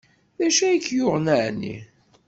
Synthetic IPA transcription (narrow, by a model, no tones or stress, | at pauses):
ðæʃæjəkːjʊʁnəʕnḭ